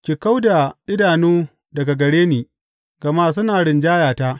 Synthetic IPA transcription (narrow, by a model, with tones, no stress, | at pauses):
kʲiː˨ka˦wda˨ɗɪ˦daː˨nuː˦ | dɐ˨ɡa˨ɡɐ˨ɽeː˦niː˨ | ɡ̥ɐ˨maː˦sʊ˦naː˨ɽɪ˨nd͡ʒaː˦jaː˨taː˦ʔ